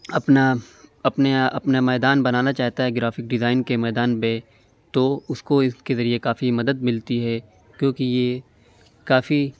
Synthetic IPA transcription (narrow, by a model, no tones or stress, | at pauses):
ɐpnaɐpnaɐpnamɛːd̪aːnbɐnaːnat͡ʃaːɦt̪aɦɛɡɾaːfɪk̚ɖɪzaːɪnkemɛːd̪aːnbẽ | t̪oʊskoɪskezɐɾiekaːfimɐd̪əd̪̚mɪlt̪iɦɛː | kjõːkijeː | kaːfi